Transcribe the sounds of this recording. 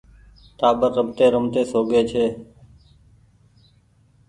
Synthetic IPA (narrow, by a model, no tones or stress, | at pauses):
t̪aːɓəəmt̪eːɾəmt̪eːsoːɡeːt͡ʃʰeː